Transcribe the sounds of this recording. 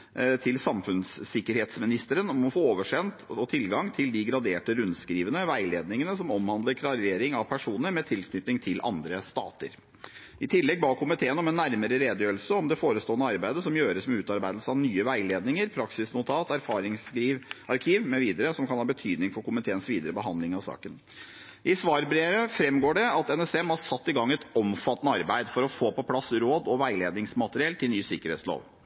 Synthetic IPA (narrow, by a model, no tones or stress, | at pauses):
t̪ʰɪlsɑmfʉnsɪkːəɾheːt̪smɪnɪst̪əɾənɔmɔfoːoːʋəʂɛnt̪ɔt̪ʰɪlɡɑŋt̪ʰɪld̪ɪɡɾɑd̪eːʈəɾʉnd̪skɾiːʋənəʋæɪleːd̪nɪŋənəsɔmɔmhɑnd̪ləɾkʰɾɑɾeːɾɪŋɑʋpʰæʂuːnəɾmɛt̪ʰɪlkʰnʏt̪nɪŋt̪ʰɪlʔɑ̰nd̪ɾəst̪ɑ̰ːt̪ə̰ɾ | ɪt̪ʰɪlːɛɡ̚bɑːkʰʊmɪt̪ʰeːənɔmɛnːæɾməɾəɾeːd̪jøːɾl̩səɔmd̪ɛfoːɾəst̪oːənəɑɾbæɪd̪əsɔmjøːɾəsmɛʉːt̪ɑɾbæɪd̪l̩səɑʋnyːəʋæɪleːd̪nɪŋəɾpʰɾɑksɪsnʊt̪ʰɑːt̪æɾfɑːɾɪŋsɡiːʋɑɾkʰiːʋmɛʋiːd̪əɾəsɔmkʰɑnhɑːbət̪ʰyːd̪nɪŋfɔɾkʊmɪt̪ʰeːənsʋiːd̪əɾəbəɦɑnd̪lɪŋɑʋsɑ̰ːkən | ʔɪsʋɑːɾbɾeːɾəfɾɛmːɡoːɖɛɑt̪ɛnɛsɛmɑsɑt̪ːɪɡɑŋːɛt̪ɔmfɑt̪ːənəɑɾbæɪd̪fɔɾɔfoːpɔpʰlɑsɾoːd̪ɔʋæɪleːd̪nɪŋsmɑt̪əɾɪɛlt̪ʰɪlnyːsɪkːəɾhɛ̰ːt̪slo̰ːʋ